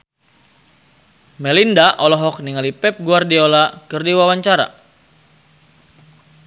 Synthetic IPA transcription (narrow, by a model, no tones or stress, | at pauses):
mɛlindaʔɔlɔɦɔk̚niŋalipɛp̚ɡuardiolakɨrdiwawaɲt͡ʃaɾa̰